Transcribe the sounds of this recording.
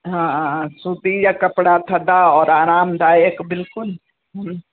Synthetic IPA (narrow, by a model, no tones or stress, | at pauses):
ɦãsud̪ijakɐpɽat̪ʰɐd̪aɔːɾaːɾaːmd̪aːjəkbɪlkʊl | ɦə